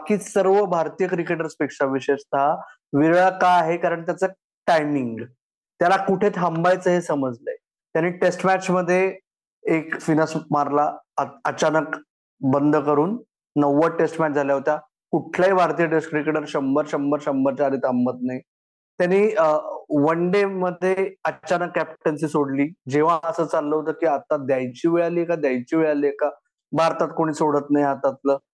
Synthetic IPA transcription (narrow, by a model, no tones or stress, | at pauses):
kiːsəɾʋəbʱaɾt̪ijəkɾikeʈəɾspiksəʋiɕest̪ʰa | ʋiɭakaaɦekaɾəɳt̪jat͡sə | ʈajmiŋɡ | t̪jalakuʈʰet̪ɦəmbajt͡səɦesəməd͡zləe | t̪janːiːʈesʈmæt͡ɕməd̪ʱːje | ekfinəsmaɾlaət͡ɕanək | bənd̪ʱəkəɾuːnː | əʋːəʈesʈmæt͡ɕd͡zʱaljaɦot̪a | kuʈʰljaibʱaɾt̪iːəʈeskɾekeʈəɾɕəmbəɾɕəmbəɾɕəmbəɾt͡ɕaɾit̪ambət̪̚nai | t̪janːiː | ʋəɳɖeməd̪ʱːjeət͡ɕanəkːæpʈənsiːsoɽliːd͡ʑeʋ̤ãəsəːt͡salːəɦot̪əːkiːat̪ːad̪jajt͡ɕiːʋeɭaliekad̪jajt͡ɕiːʋeɭaliːeka | bʱaɾt̪at̪koɽ̃iːsoɽət̪naɦjat̪at̪lə